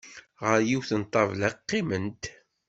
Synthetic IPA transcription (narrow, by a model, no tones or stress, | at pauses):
ʁəɾjiwθənt̪ˤːɑvlæqːimənt̪